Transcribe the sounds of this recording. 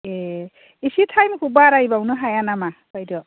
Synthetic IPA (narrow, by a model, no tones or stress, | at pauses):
e | isitʰajmkʰubaɾaibaunɯɦajanamapajdɔ